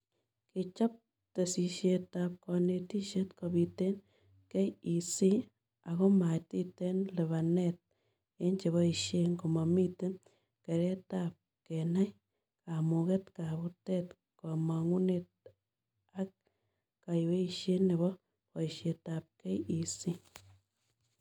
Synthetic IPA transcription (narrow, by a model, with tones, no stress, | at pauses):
ki˧t͡ʃɔ˦p̚ | te˨si˨ʃe˧ta˧p̚kɔ˨ne˧ti˦ʃe˦tkɔ˧bi˧te˦n | ke˦ji˨si˦ | a˨ɣo˦ma˨titenle˨βa˨net̚ | e˦ɲt͡ʃe˨βɔ˦iʃje˦ŋkuma˨mi˦te˦n | ke˨ɾe˦tap̚ | kɛ˨na˦j | ka˨mu˨ke˦tka˨βu˦tet | kɔ˨ma˨ŋu˦net̚ | a˦k̚ | ka˨jwe˦iʃe˦ne˨βɔ˦ | pɔ˨iʃe˨ta˨p̚kɛ˦ji˨si˦